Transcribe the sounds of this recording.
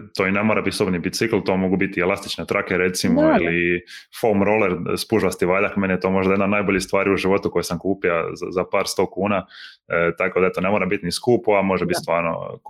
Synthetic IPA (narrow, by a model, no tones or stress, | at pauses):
t̪oːinemoɾabit̪sobnibit̪sikl̩ˠt̪o̞ːmo̞ɡubit̪ielast̪i̥t͡ʃnet̪ɾʔakeɾet̪simoilifolmɾo̞leɾspuʒʋast̪iʋaːʎakmeneet̪o̞ːmo̞ʒd̪ajed̪nanaːjboʎist̪ʋaːɾiuʒiʋo̞t̪uko̞jesamkuːpiaza̰zapaːɾst̪o̞ːkuːna | t̪ako̞d̪aet̪one̞mo̞ːɾabit̪niskuːpuamo̞ʒebit̪st̪ʋaːɾno̰